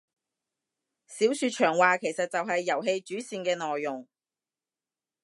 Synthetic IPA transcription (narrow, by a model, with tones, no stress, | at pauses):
siː˨˥wsyː˨˧t̚t͡ʃʰœː˨˩ŋwaː˨kʰe˨˩jsɐ˨t̚t͡sɐ˨wɦɐ˨jːɐ˨˩wɦe˧jt͡ʃyː˨˥siː˨˧nkɛː˧nɔː˨jːʊ˨˩ŋ